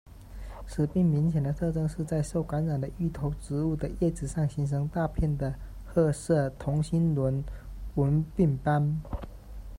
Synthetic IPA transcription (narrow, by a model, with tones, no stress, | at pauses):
ʂɻ̩˨˩pi˥˩ŋmi˧˥nɕjɛ˨˩nd̪ə˦t̪ʰɤ˥˧ʈ͡ʂɤ˥ŋʂɻ̩˥˧t͡sa˥˧ɪʂo˥˩ʊka˧˥nɻa˨˩nd̪ə˦y˥˩t̪ʰo˧˥ʊʈ͡ʂɻ̩˧˥u˥˩d̪ə˩jɛ˥˩ʈ͡ʂɻ̩˨˩ʂɑ˥˩ŋɕi˧˥ŋʂ̬ɤ˧˥ŋt̪a˥˧pʰjɛ˥˩nd̪ə˩ | xɤ˥˧ʂɤ˥˩t̪ʰʊ˧˥ŋɕi˥nlwə˧˦˥nwə˧˥npi˥˩ŋpa˥n